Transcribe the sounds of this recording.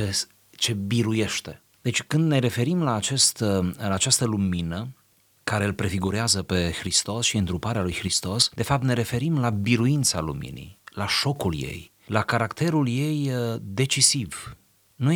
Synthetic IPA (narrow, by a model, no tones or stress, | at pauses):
es | t͡ʃe̞biɾuje̞ʃt̪e̞ | d̪̥e̞t͡ʃʲkɨnd̪neɾe̞fe̞ɾimlaːt͡ʃe̞st̪laːt͡ʃast̪əluminə | kaɾe̞ɨlpɾe̞fiɡuɾeazəpe̞xɾist̪o̞sʃiɨnt̪ɾupaɾealujxɾist̪o̞sd̪e̞fap̚t̪ne̞ɾe̞fe̞ɾimlabiɾuint̪salṵmḭnḭjlaʃo̞kulje̞̰j | lakaɾakt̪e̞ɾulje̞jd̪e̞t͡ʃisiv | nu